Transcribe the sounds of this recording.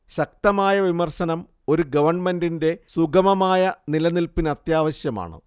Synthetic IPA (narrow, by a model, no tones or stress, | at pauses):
ɕɐk̚t̪ɐmaːjɐʋimɐrɕɐnɐm | o̞ɾuɡɐʋɐrɳme̞ndinde̞suɡʱɐmɐmaːjɐnilɐnilpinɐt̪jaːʋɐɕjɐma̰ːɳɨ̰